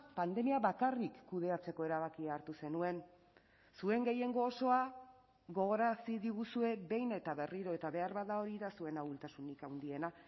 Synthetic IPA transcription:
pand̪e̞miaβakarikːuðe̞at͡se̞ko̞e̞ɾaβakiaːɾt̪use̞nue̞n | sue̞ŋɡeje̞ŋɡo̞ːso̞a | ɣo̞ɣ̞o̞ɾasiðiɣusue̞be̞jne̞t̪aβe̞riɾo̞e̞t̪aβe̞aɾβaðao̞ɾiðasue̞nawilt̪asunikawnd̪ie̞na

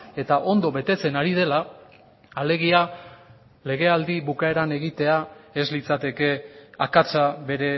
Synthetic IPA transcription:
e̞t̪aʔo̞nd̪o̞βe̞t̪e̞t͡se̞naɾið̞e̞laː | le̞ɣ̞ia | le̞ɣe̞ald̪iβukae̞ɾane̞ɣit̪e̞ae̞zlit͡sat̪e̞ke̞akat͡saβe̞ɾe̞

